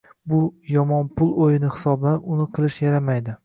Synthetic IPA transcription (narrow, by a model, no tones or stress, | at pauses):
bʊjɒmɒnpʰʊlˠojɪnɪhɪ̥sɒbaʊnɪqʰɨlˠɪʃjaɾamajd̪ɪ